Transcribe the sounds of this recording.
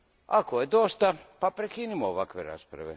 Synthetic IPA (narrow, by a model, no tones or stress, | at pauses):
akojed̪ost̪apapɾekinimooʋakʋḛɾa̰spɾa̰ʋḛ